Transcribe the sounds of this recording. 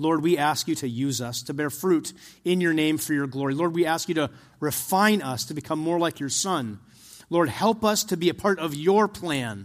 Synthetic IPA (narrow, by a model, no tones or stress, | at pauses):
lɔɹd̚wiæskjɨɾɨjʉzʌstʰɨbɛɹfɹʉɾɪ̃njə˞nẽɪ̃ɱfə˞jə˞ɡlɔɹilɔɹd̚wiæskjɨɾɨ | ɹɨfãɪ̃nʌstʰɨbɨkʰʌ̃mːɔɹlaɪkʰjə˞sʌ̃n | lɔɹd̚hɛlˠpʌstʰɨbiɨpʰɑɹɾʌvjəpʰl̥æ̃n